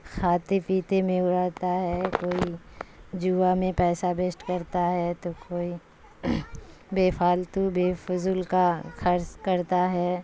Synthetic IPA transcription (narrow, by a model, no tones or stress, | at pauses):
xʰaːt̪epiːt̪emẽʊɾaːt̪aɦɛkoːi | d͡ʒuːamẽpɛːsabesʈkəɾt̪aɦɛt̪okoːi | beːfʰaːlt̪ubeːfʊzuːlkaxʰɐɾskəɾt̪aɦɛː